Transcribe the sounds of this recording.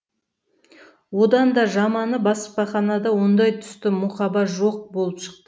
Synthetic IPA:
wo̞d̪ɑnd̪ɑʒɑmɑnəbɑspɑχɑnɑd̪ɑwo̞nd̪ɑjt̪ʰʏ̥st̪ɪmʊχɑbɑʒo̞q̚bo̞lˠəpʃə̥qt̪ə

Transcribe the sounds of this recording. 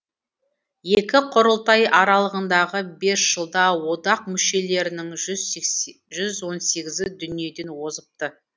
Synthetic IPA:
jekʲɪqʰʊɾəlˠt̪ɑjʔɑɾɑlˠəʁənd̪ɑʁəbe̞sʒ̥əlˠd̪ɑwo̞d̪ɑq̚mʏʃe̞le̞ɾɪnɪŋz | ʒʏzwo̞nse̞ɡʲɪzɪd̪ʏnije̞d̪e̞nwo̞zəp̚t̪ə

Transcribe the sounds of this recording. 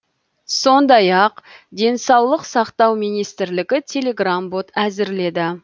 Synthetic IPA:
so̞nd̪ɑjɑqd̪e̞nsɑwlˠəqsɑqt̪ɑwmijnijst̪ɪɾlɪɡʲɪt̪ʲʰe̞lʲe̞ɡrambo̞t̪æzɪɾle̞d̪ɪ

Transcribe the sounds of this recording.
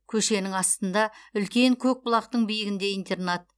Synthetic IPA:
kʲʰɵʃe̞nɪŋɑst̪ənd̪ɑʏlkʲe̞ŋkʲʰɵk̚bʊlˠɑqt̪əɴbijɪɡʲɪnd̪e̞int̪e̞rnɑt̪̚

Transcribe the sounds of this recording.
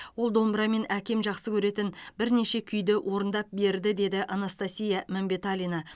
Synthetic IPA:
wo̞lˠd̪o̞mbɾɑme̞nækʲe̞mʒɑqsəkʲʰɵɾe̞t̪ɪnbɪɾne̞ʃe̞kʲʰʏjd̪ɪwʔo̞ɾənd̪ɑp̚be̞ɾd̪ɪd̪e̞d̪ɪʔanast̪asʲijamæmbe̞t̪alʲina

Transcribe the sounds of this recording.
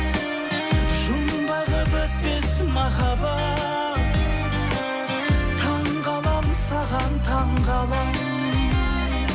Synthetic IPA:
ʒʊmbɑʁəbet̪̚pesmɑχɑbɑ | t̪ʰɑɴ | ʁɑlˠɑmsɑʁɑnt̪ʰɑɴʁɑlˠɑm

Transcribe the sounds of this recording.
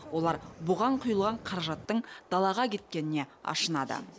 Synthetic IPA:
wo̞lˠɑɾbʊʁɑɴqʰʊjəlˠʁɑɴqʰɑɾɑʒɑt̪ːəɴd̪̥ɑlˠɑʁɑkʲʰe̞t̪̚kʲe̞nɪne̞ɑ̰ʃənɑd̪ə̰

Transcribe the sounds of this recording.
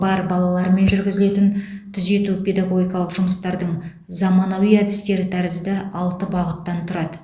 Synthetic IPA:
bɑɾbɑlˠɑlˠɑɾme̞nʒʏɾɡʲɪzɪle̞t̪ɪnt̪ʰʏze̞t̪upʰʲe̞d̪ɑɡo̞ɡʲijkɑlˠəqʒ̥ʊməst̪ɑɾd̪əɴ | zɑmɑnɑwijæd̪ɪst̪e̞ɾɪt̪ʰæɾɪzd̪ɪɑlˠt̪əbɑʁət̪ːɑnt̪ʰʊɾɑd̪ə

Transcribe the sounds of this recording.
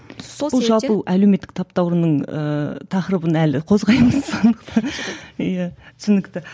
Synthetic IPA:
b̪bʊlˠʒɑlˠpəʔælewme̞t̪ːɪ̥k̚t̪ʰɑp̚t̪ɑwɾnəɴə̰t̪ʰɑχɾəbənælɪqʰo̞zʁɑjməzsond̪əqt̪ʰɑ | jæt̪ʰʏ̥sɪnɪkt̪ɪ

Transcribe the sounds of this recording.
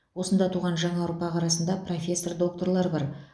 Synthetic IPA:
wo̞sənd̪ɑt̪ʰuʁɑnʒɑɴɑwəɾpɑqɑɾɑsənd̪ɑpro̞fʲe̞sːo̞rd̪o̞k̚t̪o̞rlˠɑɾbɑɾ

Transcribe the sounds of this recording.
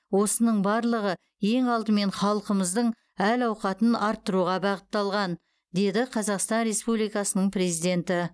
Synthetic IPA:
wo̞sənəɴbɑɾlˠəʁə | je̞ŋɑlˠt̪əme̞ɴχɑlˠəqəməzd̪əɴ | ælɑwqɑt̪ənɑɾt̪ːəɾuʁɑbɑʁət̪ːɑlˠʁɑn | d̪e̞d̪ɪqʰɑzɑqst̪ɑnɾe̞spublijkɑsənəɴpre̞zijd̪e̞nt̪ɪ

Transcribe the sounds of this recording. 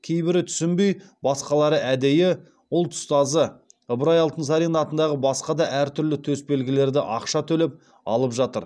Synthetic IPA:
kʲʰejbɪɾɪt̪ʰʏ̥sɪmbe̞jbɑsqɑlˠɑɾəʔæd̪e̞jɪ | ʊlˠt̪ʰʊ̥st̪ɑzə | əbɾɑjɑlˠt̪ənsɑɾinɑt̪ənd̪ɑʁəbɑsqɑd̪ɑʔæɾt̪ʰʏɾlɪt̪ʰɵsbe̞lɡʲɪle̞ɾd̪ɪʔɑqʃɑt̪ʰɵlep̚ | ɑ̰lˠəpʒɑt̪əɾ

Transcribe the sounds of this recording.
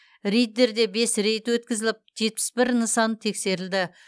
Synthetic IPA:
ɾejd̪ːeɾd̪e̞be̞sɾejt̪wɵt̪̚kʲɪzɪlɪp̚ʒe̞t̪̚pɪ̥sbɪɾnəsɑnət̪ʰe̞kse̞ɾɪld̪ɪ

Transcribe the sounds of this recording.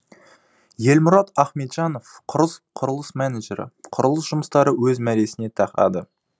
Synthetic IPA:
je̞lmʊɾɑt̪ɑχmet̪ʒɑno̞fqʰʊɾəsqʰʊɾəlˠəsmænæʒe̞ɾə̰qʰʊɾəlˠəsʒ̥ʊməst̪ɑɾəwɵzmæɾe̞sɪne̞t̪ʰɑqɑ̰d̪ə

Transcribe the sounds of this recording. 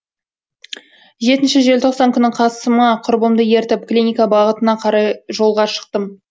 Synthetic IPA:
ʒe̞t̪ɪnʃɪʒelʲt̪ʰo̞qsɑŋkʲʰʏnːɪɴqʰɑsəməqʰʊɾbəmd̪əje̞ɾt̪ɪp̚klʲinʲijkabɑʁət̪ənɑqʰɑɾɑjʒo̞lˠʁɑʃə̥q̚t̪əm

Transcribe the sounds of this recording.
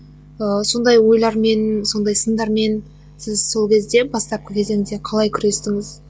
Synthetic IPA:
əso̞nd̪ɑjwo̞jlˠɑɾme̞nso̞nd̪ɑjsənd̪ɑɾme̞n | sɪzso̞lˠkʲʰe̞zd̪e̞bɑst̪ɑp̚qəkʲʰe̞zeŋɪzd̪eqʰɑlˠɑjkʲʰʏɾe̞st̪ɪŋɪz̥

